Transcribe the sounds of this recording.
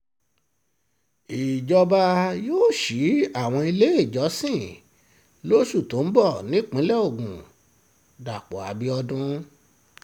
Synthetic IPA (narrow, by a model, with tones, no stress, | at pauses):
i˨d͡ʒɔ˧ba˧joː˦˨ʃi˨˦a˦˨w̃ɔ̃˧i˧le˦i˦˨d͡ʒɔ˨˦sĩ˦˨ | lo˦ʃu˦˨tõ˨˦n̩˦bɔ˦˨nĩ˨˦k͡pĩ˨˦lɛ˦o˦˨ɡṵ̃˨ | da˨k͡pɔ˨a˨˦bi˧˦ɔ˧dũ˧˦